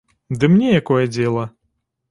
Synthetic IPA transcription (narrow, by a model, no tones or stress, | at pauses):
d̪ɨmnʲɛjakɔjɛd͡zʲɛlˠɐ